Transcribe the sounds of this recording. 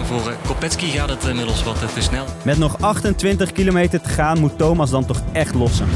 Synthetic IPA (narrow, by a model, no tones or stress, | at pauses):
vʊːrkopɛtskiɣaːtətɪmɪdəl̩ˠsʋɑtəvəɹsnɛlˠmɛtnɔχɑχtəntʋɪntəχkilomejtəɹtəχaːnmutːowmɑsdɑntɔχɛχtlɔsə